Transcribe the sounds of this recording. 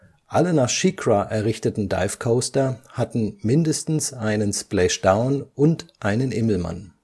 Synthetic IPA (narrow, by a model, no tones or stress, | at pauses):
ʔalənaːχʃikʁ̥aʔɛɐʁɪçtətn̩da̰ɪfkʰoʊstɐhatn̩mɪndəstn̩sʔaɪnənsplɛʃd̥aʊnʔʊntʔaɪnənʔɪml̩ma̰n